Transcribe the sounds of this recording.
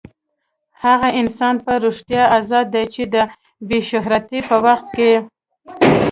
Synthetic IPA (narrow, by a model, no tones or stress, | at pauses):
haɣaʔɪnsɑnpəɾoʂt̪jɑʔazɑd̪ːajt͡ʃed̪ə | beʃʊɦɾat̪ipəwaxt̪̚ke